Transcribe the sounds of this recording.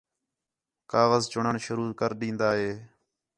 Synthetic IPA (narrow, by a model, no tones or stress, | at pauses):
kaːɣəzt͡ʃʊɳəɳʃʊɾuːkəɾɗĩːnd̪aːɦeː